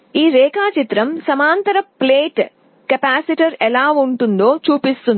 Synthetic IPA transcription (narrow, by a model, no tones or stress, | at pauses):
iːɾeːkaːt͡ʃit̪ɾɐmsɐmaːnt̪ɐɾɐpleːʈ | kɐpaːsiʈɐɾɛlaːʋuɳʈund̪oːt͡ʃuːpist̪un